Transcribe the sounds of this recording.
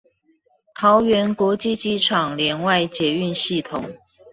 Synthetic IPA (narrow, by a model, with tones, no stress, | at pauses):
t̪ʰɑ˧˦ʊɥɛ˧˥nkwɔ˧˥t͡ɕi˥˧t͡ɕi˧˥ʈ͡ʂʰɑ˨˩ŋljɛ˧˥nwa˥˨ɪt͡ɕjɛ˨y˥˨nɕi˥˩t̪ʰʊ˨˩ŋ